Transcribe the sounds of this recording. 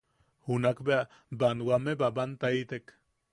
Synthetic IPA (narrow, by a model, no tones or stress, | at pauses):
hunakbea | banwamebabant̪ait̪ek